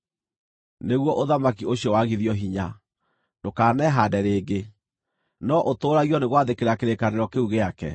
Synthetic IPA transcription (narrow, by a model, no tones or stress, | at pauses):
neɣwɔʔoðamakioɕjɔwaɣiðjɔɦiɲa | dokaːnɛɦadɛɾeːɡe | nɔʔotoːɾaɣiɔneɣwaðekeɾakeɾekaneɾɔkeuɣeakɛ̰